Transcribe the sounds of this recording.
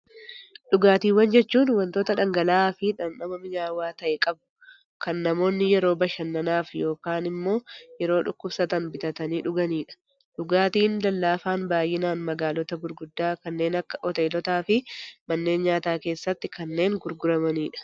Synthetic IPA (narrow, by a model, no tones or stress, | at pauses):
ᶑʊɡaːt̪iːwɐnd͡ʒɛt͡ʃːuːnwɐnt̪o̞ːt̪ɐᶑɐŋɡɐlaːfɪᶑɐnːɐmɐmɪɲaːwaːt̪ɐʔɛkʼɐbʊ | kɐnːɐmo̞ːnːɪjɛɾo̞ːbɐʃɐnːɐnaːfjo̞ːkaːnɪmːo̞ːjɛɾo̞ːᶑʊkːʊbsɐt̪ɐnbɪt̪ɐt̪ɐniːᶑʊɡɐniːᶑɐ̥ | ᶑʊɡaːt̪iːnlɐlːaːfaːnbaːjɪnaːnmɐɡaːlɔt̪ɐɡʊɾɡʊd̪ːaːkɐnːe̞ːnɐkːɐ̥ʔɔt̪e̞ːlɔt̪aːfɪmɐnːe̞ːnɲaːt̪aːke̞ːsːɐt̪ːɪkɐnːe̞ːŋɡʊɾɡʊɾɐmɐniːᶑɐ̥